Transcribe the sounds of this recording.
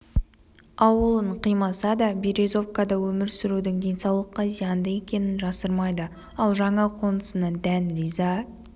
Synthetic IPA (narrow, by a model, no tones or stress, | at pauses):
ɑwəlˠəɴqʰijmɑsɑd̪ɑbiɾezo̞fkad̪ɑwɵmɪɾsʏɾud̪ɪŋd̪e̞nsɑwlˠəqːɑzijɑnd̪əe̞kʲe̞nɪnʒɑsəɾmɑjd̪ə | ɑlˠʒɑɴɑqʰo̞nəsənɑd̪ænɾizɑ